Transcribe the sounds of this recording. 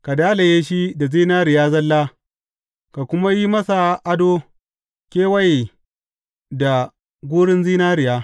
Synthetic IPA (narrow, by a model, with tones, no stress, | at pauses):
ka˨daː˦la˨jeː˦ʃi˦da˨ziː˦naː˦ɾɪ˨jaː˦zɐ˦lːaː˦ | ka˨kʷʊ˦ma˦ji˦mɐ˦sa˨ʔa˦doː˦ | kʲeː˦wɐ˦˨j | da˨ | ɡʷuː˦ɽɪ˦nziː˦naː˦ɾɪ˨jaː˦